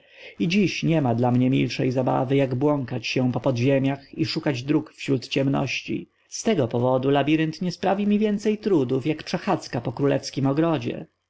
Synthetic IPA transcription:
id͡ʑiɕɲɛmad̪lamɲɛmʲḭlʂɛjzaba̰vɘjaɡbwɔŋkat͡ɕɕɛ̃pɔpɔd̪ʑemʲjaxiʂukad͡ʑd̪ɾukfɕɾut̪t͡ɕɛmnɔ̰ɕt͡ɕḭ | st̪ɛɡɔpɔvɔd̪ulabʲiɾɘnt̪ɲɛspɾavʲimʲivʲjɛnt̪sɛjt̪ɾud̪ufjakpʂɛxat̪skapɔkɾulɛ̰fskʲimɔɡɾɔd͡ʑɛ̰

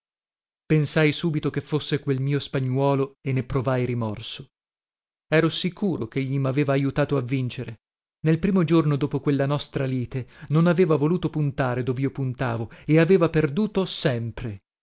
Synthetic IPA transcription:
pensajsuːbit̪okefːosːekwelmiːospaɲːwɔːloenːepɾovajɾimɔrso̥ | ɛːɾosikʰuːɾokeʎːimaveːvaːjut̪aːt̪oavːint͡ʃeɾe | nelpɾiːmod͡ʒornod̪oːpokwelːanɔst̪ɾaliːt̪enonaveːvavoluːt̪opunt̪aːɾed̪oːviːopunt̪a̰ːvoeaveːvaperd̪uːt̪osɛmpɾe

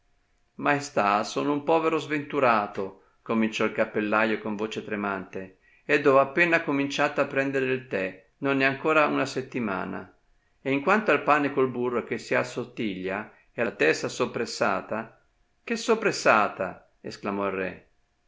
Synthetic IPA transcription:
maest̪asoːnoumpɔːveɾozvent̪uɾaːt̪o | komint͡ʃɔilkapːelːajokoɱvoːt͡ʃet̪ɾemant̪e | ed̪ːɔapːɛnakomint͡ʃat̪aːpːɾɛnd̪eɾilt̪ɛ | nonːɛaŋkoːɾaunaset̪ːima̰ːna̰ | eiŋkwant̪oalpaːnekolburːok̟esːiasot̪ːiʎːa | ɛt̪ɛst̪asopːɾesːa̰ːt̪a | k̟esopɾesːaːt̪a | esklamɔilrɛ̰

